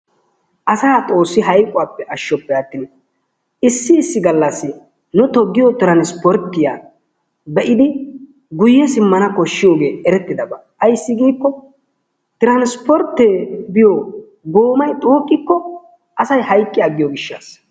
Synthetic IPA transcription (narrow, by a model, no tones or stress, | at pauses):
ʔɐsaːt̪ʼo̞ːsːɪɦɐjkʼːʊwaːpːɛʔɐʃːɔpːɛɐt̪ːin | ɪsːɪːsːɪɡɐlːɐsːɪ | nʊt̪ɔɡːɪjɔt̪ɪɾɐnspɔɾt̪ːɪja̰ː | bɛʔɪd̪ɪ | ɡʊjːɛsɪmːɐnɐkɔʃːɪjo̞ːɡe̞ːɛɾɛt̪ːɪd̪ɐbaːɐjsːɪɡiːkːɔ | t̪ɪɾɐnspɔɾt̪ːeːbɪjo | ɡoːmɐjt̪ʼuːkʼːɪkːɔ | ʔɐsɐjhɐjkʼːɪjaɡːɪjɔɡɪʃːa̰ːs